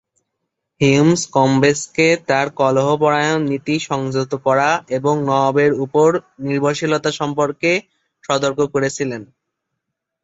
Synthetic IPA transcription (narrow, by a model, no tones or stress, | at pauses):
himskɔmbesket̪aɾkɔloɦopɔɾajonnːit̪iʃɔŋd͡ʑot̪okɔɾaeboŋnɔabeɾupoɾniɾbaʃilot̪aʃɔmpoɾke | ʃɔd̪oɾkokoɾet͡ɕʰilen